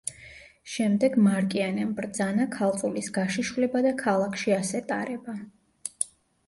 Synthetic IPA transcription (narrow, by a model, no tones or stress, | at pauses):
ʃɛmd̪ɛɡmaɾkʼianɛmbɾd̪zanakʰalˠt̪sʼulisɡaʃiʃulɛbad̪akʰalˠakʰʃiasɛt̪ʼaɾɛba